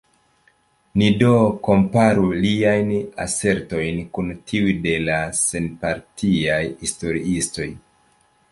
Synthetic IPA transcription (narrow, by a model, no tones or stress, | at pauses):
nidoko̞mpaɾuliajna̰se̞ɾto̞jnkuntʰiujde̞lase̞npaɾtʰiajhisto̞ɾiisto̞j